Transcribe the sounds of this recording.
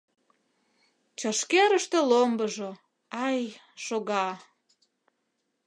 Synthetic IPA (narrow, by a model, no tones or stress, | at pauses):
t͡ɕɑʃkeɾəʃt̪elombəʒo | ɑj | ʃoɣɑ